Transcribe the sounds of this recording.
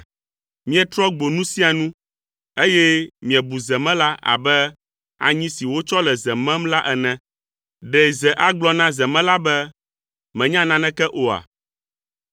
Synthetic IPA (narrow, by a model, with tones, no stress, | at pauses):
mĩ˦ɛ˨t̪ɾɔ˦ɡ͡bo˨nũ˦si˦a˨nũ˦ | e˦jɛ˦mĩ˨ɛ̃˨bu˨zɛ˨mɛ̃˦la˦ʔa̰˨bɛ˦ | a̰˨ɲĩ˦si˨wo˦t͡ʃɔ˦lɛ˨zɛ˨mɛ̃˦mla˦ʔɛ˨nɛ̃˨ | ɖɛ˨zɛ˨ʔa˦ɡ͡blɔ˦nã˦zɛ˨mɛ̃˦la˦bɛ˦ | mɛ̃˨ɲã˦nã˦nɛ̃˦kɛ˦ʔo˨a̰˨